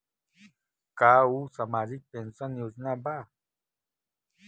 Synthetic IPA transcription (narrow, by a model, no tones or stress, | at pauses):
kausamaɾik̚pensaniusnaba